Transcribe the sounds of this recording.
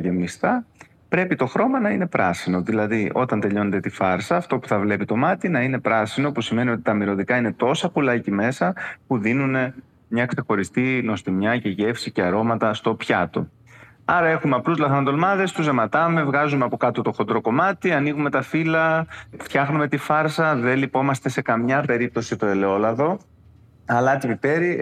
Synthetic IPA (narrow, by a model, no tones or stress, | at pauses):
ʝemist̪ɐ | pɾe̞pit̪o̞xɾo̞mɐnɐine̞pɾɐ̰sino̞ðilɐðiʔo̞t̪ɐnt̪e̞ʎo̞net̪et̪ifɐɾsɐːft̪o̞pu̥θɐvle̞pit̪o̞mɐt̪inɐine̞pɾɐsino̞pusime̞nio̞t̪it̪ɐmiɾo̞ðikɐine̞t̪o̞sɐpulɐcime̞sɐpuðinune̞ | mɲɐkse̞xo̞ɾist̪ino̞st̪imɲɐce̞ʝe̞fsice̞ɐɾo̞mɐt̪ɐst̪o̞pçɐt̪o̞̰ | ɐɾɐe̞xumeɐpluzlɐθɐnɐnd̪o̞lmɐðe̞st̪uzemɐt̪ɐme̞vɣɐzumeɐpo̞kɐt̪ot̪o̞xo̞nd̪ɾo̞ko̞mɐt̪iɐniɣume̞t̪ɐfilɐft̪çɐxnume̞t̪ifɐɾsɐðe̞lipo̞mɐst̪ese̞kɐmɲɐpe̞ɾip̚t̪o̞sit̪o̞ele̞o̞lɐðo̞ | ɐlɐt̪ivit̪e̞ɾi